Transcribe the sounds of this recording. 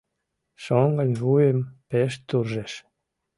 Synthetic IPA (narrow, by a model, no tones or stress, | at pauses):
ʃoŋɡənʲβujempeʃt̪urʒeʃ